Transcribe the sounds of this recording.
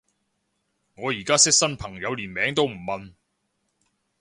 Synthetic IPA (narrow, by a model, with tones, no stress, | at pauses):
ŋɔː˨˧jiː˨˩kaː˥sɪ˥k̚sɐ˥npʰɐ˨˩ŋjɐ˨˧wliː˨˩nmɛː˨˥ŋt̪o˥wm̩˨˩mɐ˨n